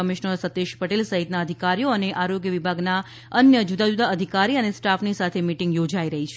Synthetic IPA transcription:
əmiʃnəɾsət̪ːeʃpəʈelsəɦit̪naəd̪ʱikaɾijoəneʔaɾoɡjəʋibʱaɡna | ənjəd͡ʒud̪ad͡ʒud̪aəd̪ʱikaɾiənesʈafnisat̪ʰemiʈiŋɡjod͡ʒaiɾəɦit͡ʃʰe

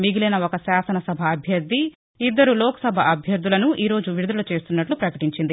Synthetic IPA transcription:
miɡilinɐokɐsaːsɐnɐsɐbʱɐːbʱjɐɾd̪ʱi | id̪ːɐɾulɔːkɐ̥sɐbʱɐʔɐbʱjɐɾd̪ʱulɐnuʔiːɾo̞ːd͡ʒuʋiɾud̪ɐlɐt͡ʃe̞ːst̪unːɐʈlupɾɐkɐʈiɲt͡ʃind̪i

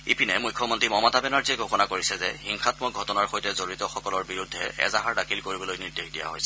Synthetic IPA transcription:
ipinɛmujkʰːɔmɔntɹimɔmɔtabɛnaɹziɛɡʱɔkɔnakoɹisɛzɛhiŋxatmɔɡʱɔtɔnaɹxojtɛzoɹitɔxɔkɔlɔɹbiɹudʱːɛʔɛ̰zaɦaɹdakʰilkoɹibɔlojniɹdexdija̰ɦojsɛ

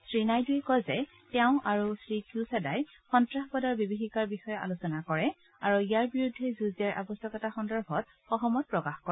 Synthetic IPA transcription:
sɹinajdujɛkɔjzɛ | tɛʊ̃ʔaɹusɹikjusɛdaj | xɔntɹaxbɔdaɹbibixikaɹbixɔjɛʔa̰lusɔnakɔɹɛ | aɹuijaɹbiɹudʱːɛzuzɛɹʔa̰bɔsɔkɔtaxɔndɔɹbʱɔt̚ | xɔxɔmɔt̚pɹɔkaxkɔɛ

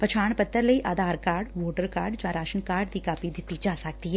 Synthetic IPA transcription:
pɐt͡ʃʰaːɽ̃pɐt̪ːəɾlɐiʔaːd̪aːɾkaːɾɖʋoːʈəɾkaːɾɖd͡ʒaːɾaːʃənkaːɾɖd̪ikaːpid̪ɪt̪id͡ʒaːsək̚t̪iɦɛ

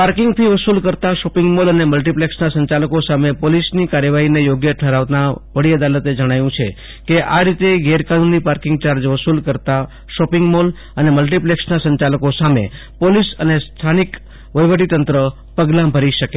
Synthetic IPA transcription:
paɾkɪŋɡt̪ʰiʋəsulkəɾt̪aʃɔpɪ̃ŋɡmoləneməlʈipleksnasəɲt͡ʃaləkosamepolisnikaɾjəʋaɦinejoɡjəʈʰəɾaʋt̪aʋəɽiəd̪alət̪ed͡ʒəɽ̃ajũt͡ʃʰe | keʔaɾit̪eɡeɾkanunːipaɾkɪ̃ŋɡt͡ʃaɾd͡ʒʋəsulkəɾt̪a | ʃɔpɪŋɡmol | əneməlʈipleksnasəɲt͡ʃaləkosamḛ | polisənest̪ʰanik | ʋəjʋəʈit̪ənt̪ɾə | pəɡlãbʱəɾiʃəke

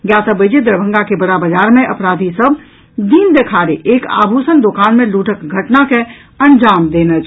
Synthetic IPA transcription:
ɡjat̪əbəd͡ʒed̪ɾbʱə̃ŋɡakebəɽabəd͡ʒaɾmeʔəpɾad̪ʱisəbʱ | d̪iːnd̪ekʰaɾeʔeka̰bʱusənd̪okanmẽluʈəkɡʱəʈnake | ənd͡ʒaːmd̪enət͡ʃʰ

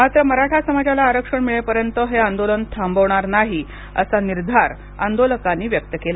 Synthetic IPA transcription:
mat̪ɾəməɾaʈʰasəmad͡ʑalaːɾəkʂəɳmiɭepəɾjənt̪əɦeand̪olənt̪ʰambəʋɳ̃aɾnaɦi | ə̰saniɾd̪ʱaɾ | a̰nd̪oləkanːiːʋjək̚t̪əkela

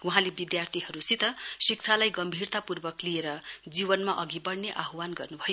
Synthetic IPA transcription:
wuɦãlebid̪jart̪ʰiɦʌɾusit̪ʌsik̚t͡sʰalajɡʌmbʱirt̪apurbʌklieɾʌd͡zibʌnmaʔʌɡibʌɽneʔaɦuwanɡʌrnubʱʌjo

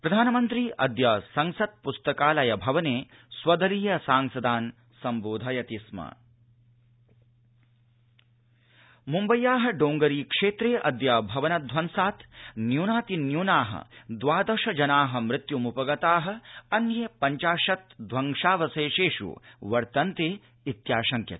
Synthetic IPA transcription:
pɾɐd̪ʱaːnɐmɐnt̪ɾiʔɐd̪jɐsɐŋsɐt̪̚pust̪ɐkaːlɐjɐbʱɐʋɐneː | sʋɐd̪ɐliːjɐsaːŋsɐd̪aːn | sɐmboːd̪ʱɐjɐt̪ismɐ̰ | mumbɐjaːɦɐ̆ɖoːŋɡɐɾiːkʂeːt̪ɾeːʔɐ̰d̪jɐbʱɐʋɐnɐd̪ʱʋɐnsaːt̪ʰnjuːnaːt̪injuːnaːɦɐ̰d̪ʋaːd̪ɐʂɐd͡ʒɐnaːɦɐ̆mɾɪt̪jumupɐɡɐt̪aːɦɐ̆ɐnjeːpɐɲt͡ʃaːʂɐt̪d̪ʱʋɐŋʂaːʋɐseːʃeːʂṵʋɐɾt̪ɐnt̪eː | it̪jaːʃɐŋkʰjɐ̰t̪

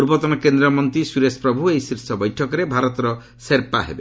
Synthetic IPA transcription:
uɾbɔt̪ɔnɔkend̪ɾɔmɔnt̪ɾisuɾespɾɔbʱuejsiɾsɔbɔjʈʰɔkɔɾebʱaɾɔt̪ɔɾɔ | seɾpa̰ɦḛbe

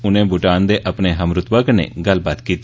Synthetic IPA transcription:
ʊnẽːbʱʊʈaːnd̪eːʔəpneːɦəmɾʊt̪ʋaːkənḛːɡəlbaːt̪kiːt̪i

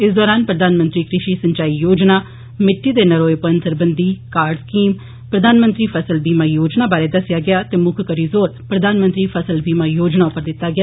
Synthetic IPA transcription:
ɪsd̪ɔːɾaːnpɾəd̪aːnmə̃nt̪ɾiːkɾɪʃiːsəɲt͡ʃaːiːjoːd͡ʒnaː | mɪʈːiːd̪eːnəɾoːepənsəɾbənd̪iːkaːɾɖskiːm | pɾəd̪aːnmə̃nt̪ɾiːpʰəsəlbiːmaːjoːd͡ʒnaːbaːɾeːd̪əsjaːɡɪjaːt̪eːmʊkʰkəɾiːzoːɾpɾəd̪aːnmə̃nt̪ɾiːpʰəsəlbiːmaːjoːd͡ʒnaːʊpəɾd̪ɪt̪ːaːɡɪjaː

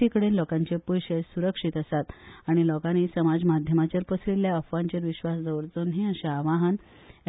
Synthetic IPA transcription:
ikəɽeːnlɔkãɲt͡ɕepujɕesuɾəkʂit̪əsat̪aɽ̃ilɔkanisəmad͡zmad̪ʱjəmat͡ɕəɾpəsliljaəfʋãɲt͡ɕeɾʋiɕʋasd͡zəwɾt͡sonɦĩəɕeaʋaɦən

